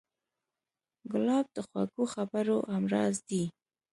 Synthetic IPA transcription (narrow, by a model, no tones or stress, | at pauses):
ɡʊlɑb̚d̪əxwa̰ɡoxabaɾoʔamɾɑzd̪i